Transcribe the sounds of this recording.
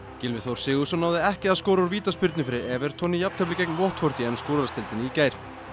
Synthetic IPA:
cɪlmɪθowɾ̥sɪːɣʏsɔnːaːwðɪɛhcɪaðskɔːwɾauɾviːt̪aspʏɾt̪nɪfɪɾɪɛːvɛɾ̥t̪ʰɔnːɪjapnt̪ʰɛplɪcek̚nvɔht̪fɔɾ̥t̪ɪɛnskowɾɾast̪ɪlt̪ɪnɪicaːjɾ̥

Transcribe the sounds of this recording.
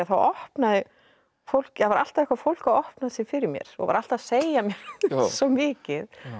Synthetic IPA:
aθawɔhpnaðɪ | fowl̥kjavaɾal̥t̪aðɛhkvafowl̥kaðɔhpnaðɪsɪfɪɾɪɾmjɛ̰ɾ̥ɔ̰ɣa̰ɾal̥t̪aðsejamjɛɾ̥sɔmɪːcɪð

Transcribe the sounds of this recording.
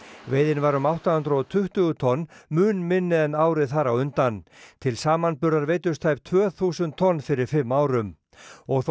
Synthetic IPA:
veːjðɪnvaɾʏmawht̪ahʏnt̪ɾʏɔt̪ʰʏht̪ʏɣʏt̪ʰɔnːmʏːnmɪnːɪðɛnaːwɾɪðθaɾawʏnt̪ant̪ʰɪlsaːmanpʏɾðaɾveːjt̪ʏ̥st̪ʰajp̚t̪ʰvœːθuːsʏnt̪ʰːɔnːfɪɾɪɾ̥fɪmːaːwɾʏm | ɔɣθ

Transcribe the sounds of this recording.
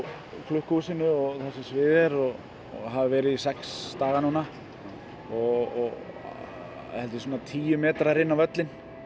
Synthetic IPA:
kʰlʏhkusɪnʏɔɣθɛsɪmsvɪːðɛɾɔɣ | ɦavɪvɛːɾɪðisɛkst̪aːɣanuːna | ɔɣɔ | hɛlt̪ɪs̬uːnat̪ʰiːjʏmɛːt̪ɾaɾɪnːavœt̪lɪn

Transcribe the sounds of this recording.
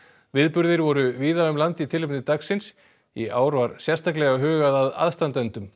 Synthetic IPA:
vɪðpʏɾðɪɾvɔɾʏviːðaʏmlant̪it̪ʰɪlvɪnɪt̪aksɪns | iʔaːwɾvaɾsjɛst̪aklɛɣaɦœːɣaðaða̰ðst̪ant̪ɛnt̪ʏm

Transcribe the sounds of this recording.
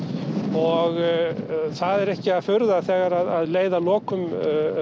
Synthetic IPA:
ɔɣ | θaðɛɾɛhcɪaðfʏɾðaθɛːɣaɾaðaðleːjðalɔːkʏm

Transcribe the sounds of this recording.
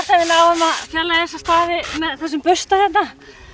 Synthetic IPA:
t̪avɪlaːwvamaðfjɛlːaɛsːast̪aːvɪmɛðθɛs̬ːʏmpʏst̪aθɛht̪na

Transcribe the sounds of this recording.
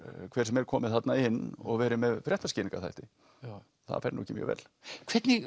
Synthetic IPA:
kʰvɛːɾ̥ɛmɛɾ̥kʰɔːmɪðθat̪naɪnːɔ̰ɣvɛːɾɪmɛðfɾjɛht̪ascɪːiŋkaθa̰jht̪ɪ | θa̰ðfɛɾnuːɛcɪmjœ̰ːvɛ̰ːl | kʰvɛt̪nɪ

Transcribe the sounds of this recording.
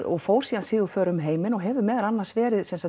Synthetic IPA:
ɔɣfoːwɾ̥siːansɪːðʏfœːɾʏmɦeːjmɪnɔɣɦɛvʏmɛːðaɾanːaɾsvɛːɾɪðsɛnsa

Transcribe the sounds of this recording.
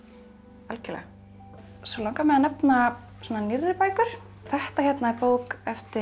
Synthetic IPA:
alcɪlɛ̰ | sɛlawŋkamɛðanɛpna | sɔnanɪrːɪpaːjkʏɾ̥ | θɛht̪açjɛt̪naɛɾpoːwkɛft̪ɪ

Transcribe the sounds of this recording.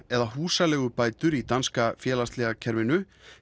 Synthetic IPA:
ɛðaɦuːsalɛɣʏpaːjt̪ʏɾit̪anskafjɛːlast̪lɛɣacʰɛɾvɪnʏ

